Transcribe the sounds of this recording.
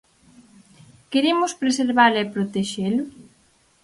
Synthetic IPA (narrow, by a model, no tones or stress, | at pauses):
keɾemʊspɾeseɾβalɛpɾot̪eʃelʊ